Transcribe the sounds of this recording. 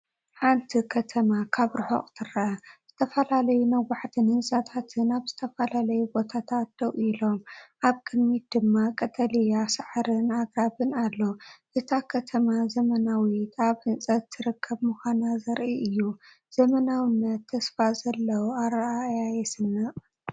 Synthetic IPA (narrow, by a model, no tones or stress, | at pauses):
ħant̪ʰikʰɐt̪ʰɐmakʰaβɾɨħo̰χʼt̪ʰɨɾɐaz̥ɨt̪ʰɐfɐlalɐjunɐwːaħt̪ʰɨnhɨnsʼat̪ʰat̪ʰɨnaβzɨt̪ʰɐfɐlalɐjubo̞t̪ʰat̪ʰat̪̚d̪ɐwilo̞mʔaβkʰɨd̪mit̪̚d̪ɨmːakʼɐt̪ʼɐlijasɨʕɾɨnaɡɾaβɨnalːo̞ʔɨt̪ʰakʰɐt̪ʰɐmazɐmɐnawit̪aβhɨnsʼɐt̪ːɨɾɨkʰːɐβmɨxʷanazɐɾʔiʔɨjːu | z̥ɐmɐnawɨnːɐt̪ʰːɐsfazɐlːɐwuaɾajajɛsɨnːɨʔʼ